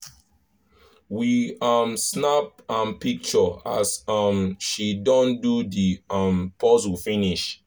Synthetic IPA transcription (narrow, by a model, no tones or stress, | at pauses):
wiamsnap̚ãnpik̚t͡ʃɔa̰sʌmʃidɔ̃ndudiampʰɔzufĩniʃ